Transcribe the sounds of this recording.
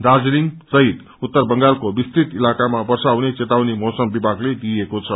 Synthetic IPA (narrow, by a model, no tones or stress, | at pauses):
d̪ad͡zliŋsʌɦit̪ | ut̪ːʌrbʌŋɡalkobist̪ɾit̪ilakamabʌrsawnet͡set̪awnimʌsʌmbibʱaɡled̪iekot͡sʰʌ